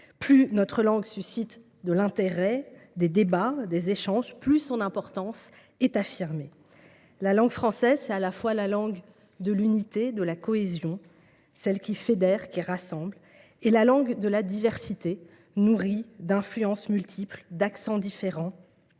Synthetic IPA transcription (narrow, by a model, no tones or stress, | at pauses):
plynɔt̪χəlɑ̃ɡsysit̪ | d̪əlɛ̃t̪eʁɛd̪ed̪ebad̪ezeʃɑ̃ʒplysɔ̃nɛ̃pɔʁt̪ɑ̃s | ɛt̪afiʁme | lalɑ̃ɡfχɑ̃sɛzsɛt̪alafwalalɑ̃ɡ | d̪əlynit̪ed̪əlakɔezjɔ̃ | sɛlkʲifed̪ɛʁkʲiʁasɑ̃bl | elalɑ̃ɡd̪əlad̪ivɛʁsit̪e | nuʁid̪ɛ̃flyɑ̃smylt̪ʰipld̪aksɑ̃d̪ifeʁɑ̃